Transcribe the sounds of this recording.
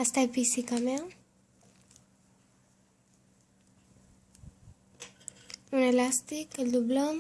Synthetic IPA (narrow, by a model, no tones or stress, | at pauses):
ast̪ajpisikame | unelast̪ikeld̪ublɔm